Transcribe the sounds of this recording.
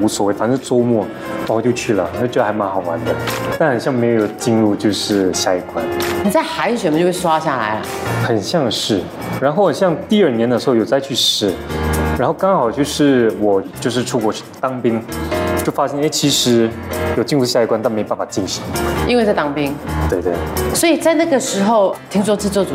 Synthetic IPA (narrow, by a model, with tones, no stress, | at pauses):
u˧˥swɔ˨˩we˥˩ɪfa˨˩nɻ̩˥˩t͡so˥ʊmwɔ˥˩ | ɔ˧˩ɔ˨˩t͡ɕjo˥˧ʊt͡ɕʰy˥˩lə̰˩˨˧t͡ɕdə˧˩xma˧˥xɑ˨˩ʊwa̰˧˦˥nd̪ə˧t̪a˥˩nxɑ˨˩nɕjɑ˥˩ŋme˧˥ɪjjo˨˩ʊt͡ɕi˥˧ŋɻu˥˧t͡ɕjo˥˧ʊʂɻ̩˥˩ɕja˥˧i˥˩kwa˦nni˨˩t͡sa˥˩ɪxa˧˥ɪ˧˩t͡ɕɥɛ˧˥mə˧t͡ɕo˥˧ʊwwa˥ɕja˥˩la̰˧˥˦ɪlɐ̰˩xə˨˩nɕjɑ˥˧ŋʂɻ̩˥˩ | ɻa˧˥nxo˥˩ʊxə˨˩ɕjɑ˥˧ŋt̪i˥˧ə˞˥˩njɛ˧˥nd̪ə˧ʂɻ̩˧xo˥˩ʊjo˨˩ʊt͡sa˥˧ɪy˥˩ʂɻ̩˧˥ɻa˧˥nxo˥˩ʊkɑ˥ŋxɑ˨˩ʊt͡ɕjo˥˧ʊʂɻ̩˥˩wɔ˨˩t͡ɕjo˥˧ʂ̬ɻ̩˥˧ʈ͡ʂʰu˥˩kwɔ˧˥t͡ɕʰy˥˩t̪ɑ˥ŋpi˥ŋt͡ɕjo˥˩fa˥ɕjɛ˥ne˥ɪt͡ɕʰi˧˥ʂɻ̩˧˥jo˨˩t͡ɕi˥˧ŋɻu˥ɕja˥˧i˥˧kwa˥nt̪ne˧˥˧pa˥˩n˩fa˨˩t͡ɕi˥˩ŋɕi˧˥ŋə˨i˥nwe˥˧t͡st̪ɑ˥ŋpi˥ŋt̪we˥˧ɪt̪we˥˩ɪswɔ˧˥i˨˩t͡sa˥˧ɪna˥˩ɡə˩ʂɻ̩˧˥xo˥˧ʊt̪ʰi˥ŋʂ̬wɔ˥t͡sɹ̩˥˧t͡sɔ˥˩u˨˩